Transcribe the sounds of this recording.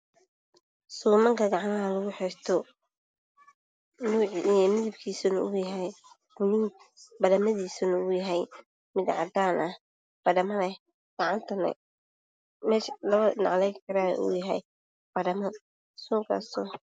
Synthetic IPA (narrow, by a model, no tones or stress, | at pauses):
suːmɐŋkʰɐɡɑʕɑnɐɐlɐɣʊħɛst̪ʰɔ | nuːʕimɪðɪbkʰiːsɐnɐʊjɐɦɛj | bʊniːbɐɽɐmɐðiːsɐnɐʊjɐɦɛj | mɪd̪ʕɑ̰d̪aːnʔɐ | b̥ɐɽɐmɐnɛ | ɡ̥ɑʕɑnt̪ʰɐnɐ̰ | mɛːʃlɐβɐnɑ̰ʕlɛjkʰɐɾa̰ʔṵːjɐɦɛj | b̥ɐɽɐmɐ | suːŋkʰɐ̰sɔ